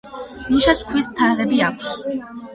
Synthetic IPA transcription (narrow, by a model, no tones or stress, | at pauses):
muʃaskʰwist̪ʰaʁɛbiakʷʰs